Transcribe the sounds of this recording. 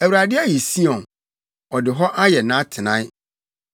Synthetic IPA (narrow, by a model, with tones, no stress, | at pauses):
æ˨wu˨ɾa˨dɪ˦a˦ji˨si˦ɔ̃˨n | ɔ˨dɪ˨ɦɔ˦ʔa˦jɛ˨nã˦tʰɪ˨nã˦